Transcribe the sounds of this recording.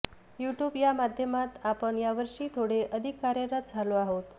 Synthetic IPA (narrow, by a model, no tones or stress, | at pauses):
juʈjubjamad̪ʱjəmat̪apəɳjaʋəɾʂiːt̪ʰoɽeʔəd̪ʱikːaɾjəɾət̪̚d͡zʱaloaɦot̪